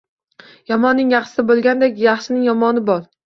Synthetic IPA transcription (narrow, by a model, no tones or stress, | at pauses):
jɒmɒnːɪŋjɑχʃsɪbolˠɡʲand̪ekʲjɑχʃɪnɪŋjɒmɒnɪbɒɾ